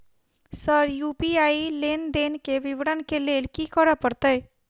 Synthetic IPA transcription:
səɾjuːpiaːileːnd̪eːnkeʋɪʋɽənkeleːlkikəɾəpəɾt̪əj

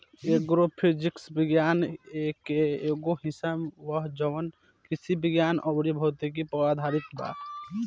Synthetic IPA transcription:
eɡɾopʰid͡ʒiksbiɡjanekeeɡoɦisabwəɦd͡ʒəwən | kisibiɡjanʔɔbɽibʱɔt̪ik̬ipɾad̪ʱaɾit̪ba̰k

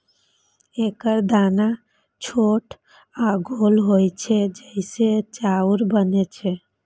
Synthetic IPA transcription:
ekəɾd̪ana | t͡ʃʰoʈʰ | aɡʱolɦojt͡ʃʰɛd͡ʒəɪset͡ʃauɾbənet͡ʃʰɛ

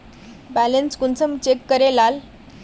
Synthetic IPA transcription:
bælenskunt͡səmt͡ɕekːəɾelal

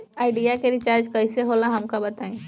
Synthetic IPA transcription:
aːɪɖijakeɾit͡ʃaɾd͡ʒkəɪseɦolãɦɐmkabɐt̪aːĩ

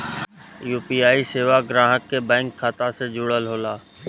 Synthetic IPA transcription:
juːpiːaːiseːʋaɡɾãːɦəkːebɛ̃ːŋkʰːaːt̪ased͡ʒʊɽəlɦoːlaː

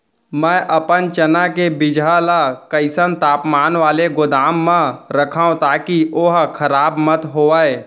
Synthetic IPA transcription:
mɛ̃ːʔəpənt͡ʃənakebɪd͡ʒʱalakəɪsənt̪aːpmaːnʋaːleɡʊd̪aːmːãɾəkʰaːõt̪aːkiʔoɦkʰəɾaːbmət̪ɦoːəe

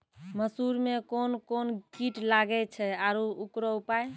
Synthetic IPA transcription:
məsuɾmekonkonkiʈlaɡɛt͡ʃʰɛaɾuukɾɔupaj

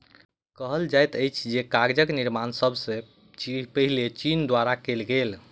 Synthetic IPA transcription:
kəɦəld͡ʒajt̪əjt͡ʃʰd͡ʒekaɾd͡ʒəkniɾmansəbʱsẽ | ipəɦilet͡ʃind̪waɾakelɡel

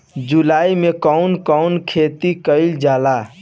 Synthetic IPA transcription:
d͡ʒulaimekɔwnkɔʊnkʰet̪ikəɪld͡ʒala

